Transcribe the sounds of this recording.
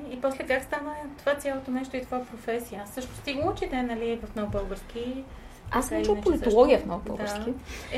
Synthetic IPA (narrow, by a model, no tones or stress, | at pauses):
ipɔslɛkakst̪anət̪ovat̪sʲjalˠot̪onɛʃt̪oit̪ovapɾofɛsijəasɤʃnost̪iɡlˠot͡ʃid̪ɛnɐlivɐfnoɡʊbɤlˠɡəɾsk̟ʲi | asɛt͡ʃlˠpolit̪olˠɔɡʲiəfnɔ̰ɡʊbə̰ld̪ɡəaɾsski